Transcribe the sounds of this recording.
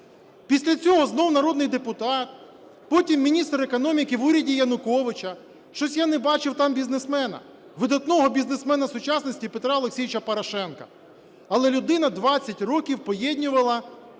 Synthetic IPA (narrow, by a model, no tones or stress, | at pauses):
pʲisʲlʲɐt͡sʲɔɦɔznɔwnɐɾɔd̪nɪjd̪epʊt̪ɑt̪̚ | pɔtʲimːʲinʲist̪ɾekɔnɔmʲikɪʋuɾʲɐdʲijɐnʊkɔʋɪt͡ʃɐ | ʃt͡ʃɔsʲjanɛbɑt͡ʃɪwt̪ɑmbʲiznesmɛnɐ̰ | ʋɪd̪ɐt̪nɔɦɔbʲiznesmɛnɐsʊt͡ʃɑsnɔsʲtʲipet̪ɾɑɔlˠeksʲijʲʋit͡ʃɐpɔɾɐʃɛnkɐ̥̰ | ɐlˠɛlʲʊd̪ɪnɐd̪ʋɑt͡sʲːɐtʲrɔkʲiwpɔjɛdʲnʲʊʋɐlˠɐ